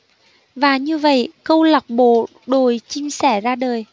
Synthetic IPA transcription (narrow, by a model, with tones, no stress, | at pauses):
vaː˨˩ɲɨ˧və̰˧˨jkə˧wla˨˩wk͡p̚ɓo̰˧˨ | ɗo˨˩jt͡ɕi˧msɛ˧˩zaː˧ɗəː˨˩j